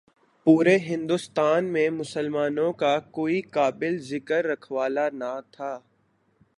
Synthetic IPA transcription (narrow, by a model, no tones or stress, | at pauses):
puːɾeɦɪ̃nd̪ʊst̪aːnmẽmʊsəlmaːnõkakoːikaːbɪlzɪkəɾːɐkʰʋaːlanat̪ʰaː